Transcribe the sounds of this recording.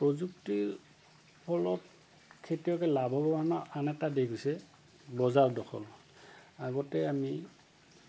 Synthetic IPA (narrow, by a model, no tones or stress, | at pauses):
pɹɔzukti | pʰɔlɔt | kʰetijɔkɛlabɔbɔanɔanɛtadeɡojsɛ | bɔzaɹdɔxʰɔ̰l | aɡɔtɛami